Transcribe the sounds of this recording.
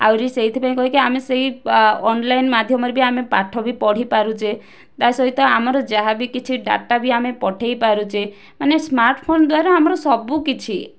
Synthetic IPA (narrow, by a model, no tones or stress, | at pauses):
a̰wɾiseit̪ʰipaĩkɔɦikiameseɦiɔnlajnmad̪ʱjɔmɔɾebiamepaʈʰɔbʱipɔɽ̤ipaɾut͡ʃʰe | t̪asɔɦit̪ɔamɔɾɔd͡ʒaɦabikit͡ʃʰiɖa̰ʈabiamepɔʈʰejpaɾut͡ʃʰe | manesmaɾʈpʰond̪waɾaːmɔɾɔsɔbukit͡ʃʰi